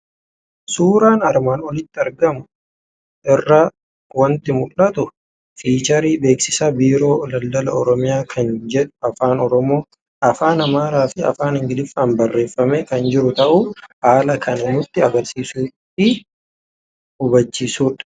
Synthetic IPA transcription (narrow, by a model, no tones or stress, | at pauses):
suːɾaːnɐɾmaːnwɔlɪt̪ːɪɐɾɡɐmʊ | ʔɪrːɐ | wɐnt̪ɪmʊlːɐt̪ʊ | fiːt͡ʃɐɾiːbe̞ːksɪsaːbiːɾo̞ːlɐld̪ɐlɐɔɾɔmɪjaːkʰɐnd͡ʒɛᶑʊ̥ɐfaːnɔɾɔmo̞ː | ʔɐfaːnɐmaːɾaːfɪɐ̰faːnhɪŋɡɪlɪfːaːnbɐrːe̞ːfːɐmeːkɐnd͡ʒɪɾʊt̪ɐʔʊhaːlɐkʰɐnɪnʊt̪ːɪɐɡɐɾsiːsuː | ɪ | hʊbɐt͡ʃːiːsuːᶑ